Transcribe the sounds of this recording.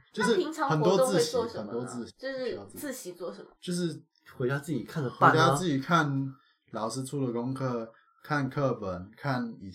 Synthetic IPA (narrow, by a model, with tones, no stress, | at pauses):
t͡ɕjo˥˧ʊʂɻ̩˥˩i˧˥ŋt͡sʰɑ˧˥ŋxə˨˩nt̪wɔ˥tt͡sɹ̩˥˩ɕi˨˥˧ə˨ə˨˩nt̪wɔ˦˥t͡sɹ̩˥˩ɕt͡ɕo˥˧ʂ̩˥˧˥ɹ̩˥˩ɕi˨˩t͡swɔ˥˩ʂə˨˦m˦t͡ɕjo˥˧ʊʂ̬ɻ̩˥˨ | xwe˧ɪt͡ɕa˥t͡sɹ̩˥˩t͡ɕi˨˩kʰa˥˩nd̪ə˩xe˧˥˦t͡ɕja˥˧t͡sɹ̩˥˩t͡ɕi˨˩kʰa˥˩˨n | lɑ˨˦ʊʂɻ̩˥ʈ͡ʂʰu˥˩də˨˩kʊ˥ŋkʰɤ˥˩ | kʰa˥˨nkʰɤ˥˧pə˨˦nkʰa˥˩ni˨˩